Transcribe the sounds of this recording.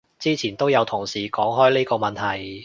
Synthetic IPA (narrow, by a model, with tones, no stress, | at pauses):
t͡siː˥t͡sʰiː˨˩nt̪o˥wjɐ˨˧wt̪ʰʊ˨˩ŋsiː˨kɔː˨˥ŋɦɔː˥jliː˥kɔː˧mɐ˨nt̪ʰɐ˨˩j